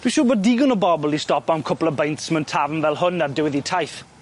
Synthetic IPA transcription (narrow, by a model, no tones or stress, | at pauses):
d̥wiʃʊːbɔːddiɡənəbɔbəlˠistɔpawnkʰʊplˠəbejntsməntʰavənvɛlˠhʊnadɪwɪðitʰajθ